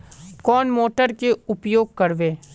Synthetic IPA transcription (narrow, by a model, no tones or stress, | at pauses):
kɔːnmoːʈəɾkeʊpjoːɡ̚kɐɾʋeː